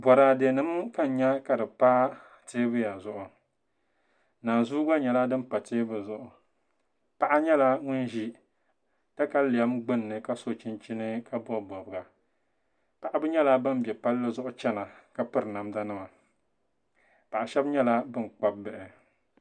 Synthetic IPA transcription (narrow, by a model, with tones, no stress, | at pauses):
bɔ˨ɾa˨de˨nɨ˦m˦ka˦n̩˨˦ɲɛ˦ka˨dɨ˨paː˦ | teː˦bɨ˦ja˨zʊ˦ʔʊ˨ | naː˨zuː˦ɡa˦ɲɛ˨la˦dɨ˦mpa˨teː˦bɨ˨zʊ˨ʔʊ˨ | pa˦ʔa˦ɲɛ˦la˦ŋʊ˦n˦ʒi˦ | ta˦ka˦li˨a˦mɡ͡bɨ˦nː˨ɨ˨ka˦so˦t͡ʃi˦nt͡ʃi˦nɨ˦ka˦bɔ˦bɔ˨bɨ˨ɡa˨ | pa˨ʔa˦bɨ˦ɲɛ˦la˦bɨ˦mbɛ˨pa˦lːɨ˦zʊ˦ʔʊ˦t͡ʃɛ˦na˨ka˦pɨ˦ɾɨ˨na˨mda˦nɨ˦ma˨ | pa˨ʔa˨ʃɛ˦bɲɛ˦la˦bɨ˦n˨k͡pa˦b̚ːɨ˨ʔɪ˨